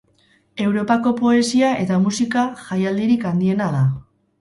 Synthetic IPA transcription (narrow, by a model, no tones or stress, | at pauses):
e̞wɾo̞pako̞po̞e̞siae̞t̪amusikaʝajald̪iɾikand̪ie̞naða